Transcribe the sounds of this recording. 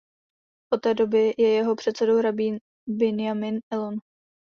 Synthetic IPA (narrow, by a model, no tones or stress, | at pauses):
ʔo̞t̪ɛːdo̞bɪjɛjɛɦo̞pr̝̥ɛt̪sɛdowɾabiːn | bɪnɪjamɪnɛlon